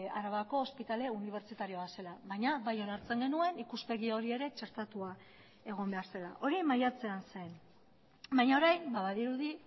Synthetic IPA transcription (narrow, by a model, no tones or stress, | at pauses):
aɾaβako̞ːspit̪ale̞uniβ̞e̞ɾt͡ʃit̪aɾio̞ase̞laβajɲaβajo̞naɾt͡se̞ŋɡe̞nue̞nikuspe̞ɣio̞ɾie̞ɾe̞t͡ʃe̞ɾt̪at̪ua | e̞ɣ̞o̞mbe̞aɾse̞la̰ʔo̞ɾimajat͡se̞ansen | bajɲao̞ɾajmbaβaðiɾuði